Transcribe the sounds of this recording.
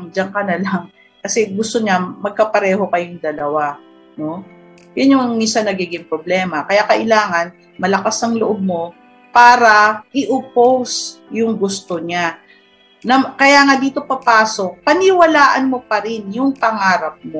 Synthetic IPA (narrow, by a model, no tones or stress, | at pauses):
ŋd͡ʒɐŋkɐnɐlaŋ | kɐsɛɡʊst̪oɲamɐɡ̚kɐpɐɾɛːho̞kɐjoŋd̪ɐlɐwa | no̞ | jʊnjʊŋŋmisanɐɡiːɡɪŋpɾoblɛːmɐkɐjakɐʔɪlaːŋɐn | mɐlɐkasɐŋloʔob̚mo̞ | paːɾɐʔɪʔʊpowsjʊŋɡʊst̪oɲa | nɐkɐjaːŋad̪iːt̪o̞pɐpaːso̞k̚pɐnɪwɐlaːʔɐnmo̞pɐɾɪnjʊŋpɐŋaːɾɐp̚mo